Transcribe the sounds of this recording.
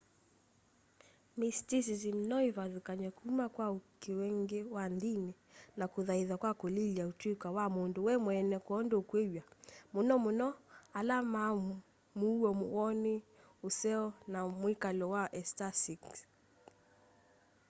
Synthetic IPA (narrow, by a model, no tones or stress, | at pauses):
mistis̬izim̩nɔivaðukaɲɛkumakwaukiwɛŋɡɛwandinɛnakuðaiðakwakulilautwikwawamunduwɛmwɛnɛkuɔndɔukwewjamunɔmunɔalama | muuɔmuɔni | usɛɔnamwikalɔwaʔɛstasiks